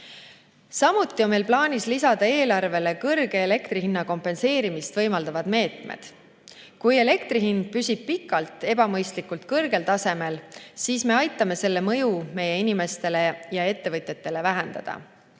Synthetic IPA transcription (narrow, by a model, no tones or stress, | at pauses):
sɑmut̪ːˑio̞nme̞jlplɑːnʲislisɑd̪̥ɑe̞ːlɑrve̞le̞kɤrɡ̥e̞ːle̞kt̪ɾiɦinːɑko̞mpe̞nse̞ːɾimist̪vɤ̞jmɑld̪ɑvɑd̪̥me̞ːt̪mḛd̪̥ | kuje̞le̞kt̪riɦind̪̥̚pysʲib̥̚pikːˑɑlt̪ˑe̞bɑmɤjst̪likːˑult̪kɤrɡ̥e̞lt̪ɑse̞me̞lsiːsme̞ɑjt̪ːˑɑme̞se̞lːe̞mɤjume̞je̞inime̞st̪e̞le̞jɑe̞t̪ːe̞vɤt̪ʲˑjet̪ːe̞le̞væɦend̪̥ɑ̰d̪̥ɑ̰